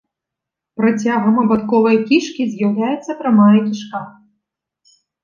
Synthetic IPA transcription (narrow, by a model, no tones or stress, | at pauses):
pɾat͡sʲaɣɐmɐbat̪kɔvɐjkʲiʂkʲizʲjawlʲajɛt̪sːɐpɾamaikʲiʂka